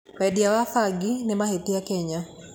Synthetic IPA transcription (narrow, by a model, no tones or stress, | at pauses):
wɛdjawafaɡinɛmahetiakɛɲa